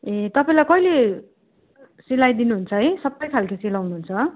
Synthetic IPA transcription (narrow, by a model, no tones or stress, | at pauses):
ẽt̪ʌpaĩlajkʌjle | silajd̪inuɦunt͡sʰʌɦʌjsʌbːʌjkʰalkisilawnuɦunt͡sʰʌ